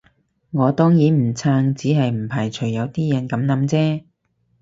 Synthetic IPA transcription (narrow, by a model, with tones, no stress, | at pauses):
ŋɔː˨˧t̪ɔː˥ŋjiː˨˥m̩˨˩t͡sʰaː˧ŋt͡siː˨˥ɦɐ˨jm̩˨˩pʰaː˨˩jt͡ʃʰɵ˨˩jɐ˨˧wt̪iː˥jɐ˨˥nkɐ˨˧˥mnɐ˨˥mt͡sɛː˥